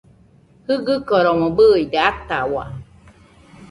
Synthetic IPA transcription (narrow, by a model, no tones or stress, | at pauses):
hɯɡɯkɔɾɔwɔ̃bɯjd̪eat̪awa̰